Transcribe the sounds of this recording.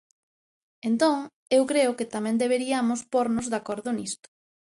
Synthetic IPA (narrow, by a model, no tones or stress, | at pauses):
ent̪õŋ | ewkɾeʊkɪt̪amɛ̃nd̪eβ̞eɾiamʊspoɾnʊzðakoɾðʊnist̪ʊ̥